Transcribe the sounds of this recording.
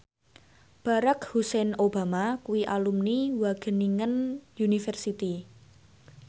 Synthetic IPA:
b̥a̤ɾakhusɛnoba̤makuwiʔalumniwaɡ̥ə̤niŋənjunifɛrsit̪i

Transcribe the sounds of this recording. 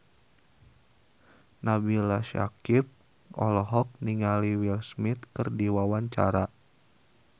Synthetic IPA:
nabilaʃa̰kip̚ | ʔɔ̰lɔɦɔk̚niŋaliwilsmit̪̚kɨrdiwawaɲt͡ʃa̰ɾa

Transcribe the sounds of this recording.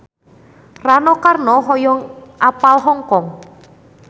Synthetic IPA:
ranɔkarnɔɦɔjɔŋʔapalɦɔŋkɔŋ

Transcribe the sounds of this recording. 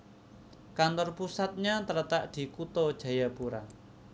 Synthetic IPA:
kant̪ɔrpusat̪̚ɲat̪əɾət̪aʔd̪̥i̤kut̪ɔd̥ʒ̥ä̤japuɾa

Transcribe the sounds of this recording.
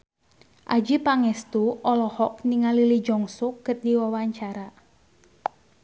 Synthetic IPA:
ʔad͡ʒipaŋɛst̪uɔlɔhɔkniŋalilid͡ʒɔŋsukːərdiwawaɲt͡ʃaɾa

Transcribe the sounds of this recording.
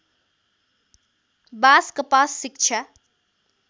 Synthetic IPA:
baːskəpaːsːikt͡ʃʰa

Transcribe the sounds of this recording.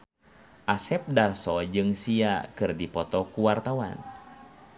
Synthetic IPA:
ʔasɛp̚darsɔd͡ʒɨŋsiakɨrdipɔt̪ɔkuwart̪awa̰n

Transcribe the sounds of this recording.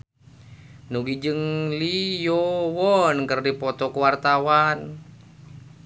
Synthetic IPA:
nuɡid͡ʒɨŋlijowɔnkərdipɔt̪ɔkuwart̪awan

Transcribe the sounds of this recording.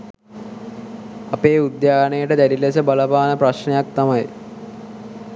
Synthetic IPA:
apeːud̪jaːɡnəjəʈəd̪æɾilesəbaləbaːnəpɾaɕɳejak̚t̪amaj

